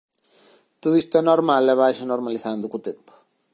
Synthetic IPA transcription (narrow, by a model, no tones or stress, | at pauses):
t̪oðuist̪ʊɛnɔɾmalɛβajʃanoɾmaliθand̪ʊkut̪empʊ̥